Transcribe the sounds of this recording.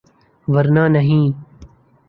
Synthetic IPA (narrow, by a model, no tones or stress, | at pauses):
ʋɐɾnaːnɐɦĩː